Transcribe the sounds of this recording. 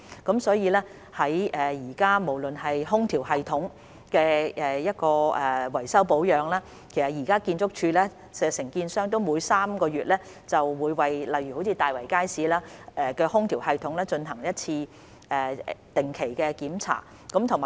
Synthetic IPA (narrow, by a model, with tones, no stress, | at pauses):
kɐ˨˧˥msɔː˨˥jiː˨˧lɛː˥ | hɐ˨˥jɛː˨jiː˨˩kaː˥mo˨˩wlɵ˨nhɐ˨jɦʊ˥ŋt̪ʰiː˨˩whɐ˨jt̪ʰʊ˨˥ŋ | kɛː˧ʔɛː˨jɐ˥t̚kɔː˧ɛː˨˩wɐ˨˩jsɐ˥wpo˨˥wjœː˨ŋlaː˥ | kʰe˨˩sɐ˨t̚jiː˨˩kaː˥kiː˧nt͡sʊ˥k̚t͡ʃʰyː˧lɛː˥ | sɛ˧sɪ˨˩ŋkiː˧nsœː˥ŋt̪̬o˥wmuː˨˧jsaː˥mkɔː˧ɥyː˨t̚lɛː˥ | t͡sɐ˨wwuː˨˧jwɐ˨jlɐ˨jɥyː˨˩ho˨˥wt͡sʰiː˧t̪aː˨jwɐ˨˩jkaː˥jsiː˨˥laː˥ɛː˨kɛː˧hʊ˥ŋt̪ʰiː˨˩whɐ˨jt̪ʰʊ˨˥ŋlɛː˥t͡ʃɵ˧nɦɐ˨˩ŋjɐ˥t̚t͡sʰiː˧ | ɛː˨˩t̪ɪ˨ŋkʰe˨˩jkɛ˧kiː˨˥mt͡sʰa̰ː˨˩ | kɐ˨˥mt̪ʰʊ˨˩ŋmaː˨˩